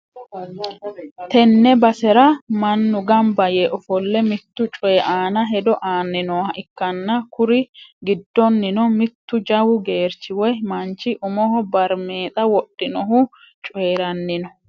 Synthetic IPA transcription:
t̪ɛnːɛbɐsɛɾɐmɐnːʊɡɐmbɐjɛʔɔfɔlːɛmɪt̪ːʊt͡ʃʼɔjɛʔaːnɐɦɛd̪ɔʔaːnːɪnɔwɐʔɪkːɐnːɐkʊɾɪɡɪd̪ːɔnːɪnɔmɪt̪ːʊd͡ʒɐwʊɡe̞ːɾt͡ʃːɪwɔjmɐnt͡ʃːɪʔʊmɔɦɔbɐɾmeːt̪ʼɐwɔɗːɪnɔɦʊ | t͡ʃʼɔɛɾɐnːɪnɔ

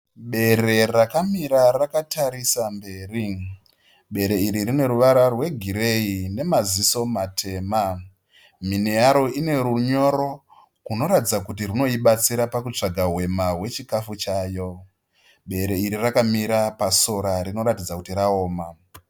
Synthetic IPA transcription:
ɓe̞re̞rakamiɾarakataɾisambe̞ːri | ɓe̞ɾe̞iɾirine̞ɾuʋaɾarwe̞ɡʱiɾe̞ine̞maziso̞matʰe̞ːma | minejaɾo̞ine̞ɾuɲo̞ɾo̞ | kuno̞ɾatid͡zakutirino̞iɓat͡siɾapakut͡ʂaɡʱaɦwe̞maɦwe̞t͡ʃikafut͡ʃaːjo̞ | ɓe̞ɾe̞iɾirakamiɾapaso̞ɾarino̞ɾatid͡zakutirao̞ːma

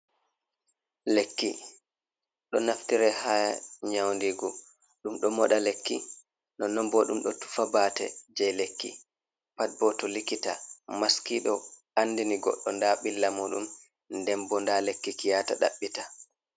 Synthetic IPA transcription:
lekːḭ | ɗɔnaftiɾɛhaɲawndiɡɔ | ɗumɗɔmɔɗalekːi | nɔnɔmbɔɗumɗɔtu̥fabaːtɛ̰d͡ʒɛjlekːḭ | pat̚bɔtɔlikita̰maskiɗɔ | anːdiniɡɔ̰ɗːɔndaɓilːamuɗṵm | ndɛmbɔndalekːikijataɗa̰ɓːita

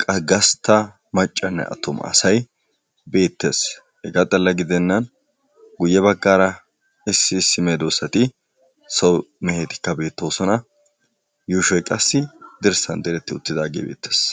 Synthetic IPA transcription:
kʼɐɡɐst̪ːɐ | mɐt͡ʃʼːɐnːɛ̰ʔɐ̰t̪ːɔmɐ̰ɐ̰sɐj | be̞ːt̪ːe̞ːs | hɛɡat̪ʼɐlːɐɡɪd̪ɛnːɐn | ɡʊjːɛbɐɡːaːɾɐ | ɪsːɪːsːɪmeːd̪oːsɐt̪ɪ | sɔwmɛheːt̪ɪ̥kːɐbe̞ːt̪ːo̞ːsɔnɐ | juːʃɔjkʼɐsːɪd̪ɪɾsɐnd̪ɛɾɛt̪ːɪʊt̪ːɪd̪aːɡḛːbḛːt̪ːe̥ːs

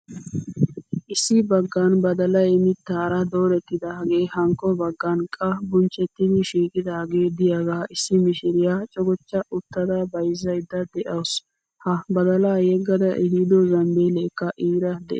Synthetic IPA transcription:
ʔɪsːɪbɐɡːanbɐd̪ɐlɐjɛmɪt̪ːaːɾɐd̪oːɾɛt̪ːɪd̪ɐɡeːhɐŋkːɔbɐɡːɐnkʼɐbʊnt͡ʃʼːɛt̪ːɪd̪ɪʃiːkʼɪd̪aːɡeːd̪ɪjaɡaːɪsːɪmɪʃɪɾɪjaːt͡ʃʼɔɡɔt͡ʃːɐʔʊt̪ːɐd̪ɐbɐjzːɐjd̪ːɐd̪ɛʔɐws | hɐbɐd̪ɐlaːjɛɡːɐd̪ɐʔɛɦid̪ɔzɐmbeleːkːɐʔiːɾɐd̪ɛ̰ʔ

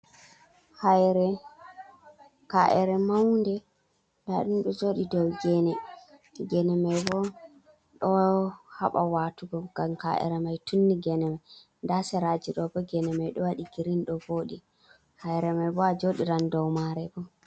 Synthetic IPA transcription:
hajɾɛ | kaʔɛɾɛmawndɛ | ndaɗunɗɔd͡ʒoːɗidɔwɡɛnɛ | ɡɛnɛmajbɔ | ɗɔha̰ɓa̰watuɡɔɡ̥amka̰ʔɛ̰ɾɛmajtʰunːiɡɛnɛmaj | ndasɛɾad͡ʒiɗɔbɔɡɛnɛmajɗɔwaɗiɡiɾinɗɔboːɗi | hajɾɛmajbɔad͡ʒoɗiɾandɔwmaɾɛbɔ

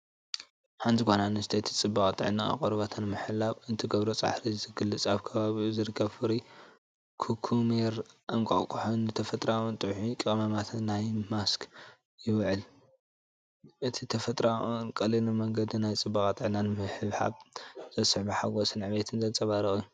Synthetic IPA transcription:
ħant̪ʰikʰʷonanɨst̪ʰet̪ʰi̥t͡sʼɨbːɐkʼat̪ʼɨ̰ʕna̰ːqʼɨɾβat̪ʰɐnɨmɨħɨlːaβɨnt̪ʰiɡɐβɾot͡sʼa̰ħɾizɨɡɨlːɨt͡sʼaβkʰɐβaβizɨɾɨkʰːɐβfɨɾi | kʰukʰumeɾʔaŋkʷʼa̰χkʰʼuħonɨt̪ʰɐfɐt̪ʼɾawɨnt̪ʼɨwħikʼɨkʼmamat̪ʰːajmaskʰ | jɪwʕɨl | ʔɨt̪ʰit̪ʰɐfɐt̪ʼɾawɨnkʼɐlinɨmɐŋɡɐd̪inajt͡sʼɨbːɐkʼat̪ʼɨʕnanɨmɨħɨβħa̰βz̥ɐsɨħbiħaɡosɨnʕbet̪ʰɨnzɐnt͡sʼɐβaɾɨχʼiju

